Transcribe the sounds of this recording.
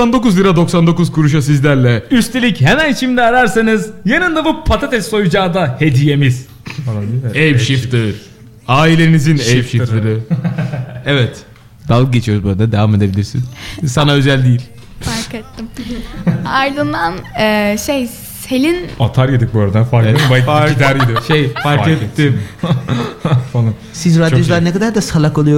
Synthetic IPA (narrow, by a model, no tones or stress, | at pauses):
sand̪o̞kuzlʲˠiɾad̪o̞ksand̪o̞kuzkʰuɾuʃ̬asizlʲæɾlʲɛyst̪ʰe̞lʲicɦemænt͡ʃʰimd̪ɛaɾaɾsanɯzjanɯnd̪abupʰat̪ʰat̪ʰɛsso̞jud͡ʒaːd̪ahe̞d̪ije̞miz̥ | falˠaejpʃift̪ɯɾ | aːilʲe̞ɾnizinejʃift̪lɯɾɯ | ɛvɛt̪ | d̪al̚ˠɟe̞t͡ʃʰijo̞ɾuzbuɾad̪ad̪e̞vame̞d̪e̞bilʲiɾsḭnsanaø̞zælʲd̪ijilʲ | faɾet̪ːim | aɾd̪ɯnd̪anɛʃej | selʲinat̪ʰaɾjad̪ik̚bøjɾed̪ænfaɾk̪baad̪æɾid̪ioʃejfaɾket̪ʰːim | falˠansizɾad̪jod͡ʒulˠaɾnekad̪aɾd̪asalˠakolˠujo